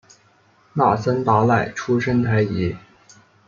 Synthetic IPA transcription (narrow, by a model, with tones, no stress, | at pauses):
na˥˩sa˥nt̪a˧˥la˥˩ɪʈ͡ʂʰu˥ʂə˥nt̪ʰa˧˥ɪi˧˥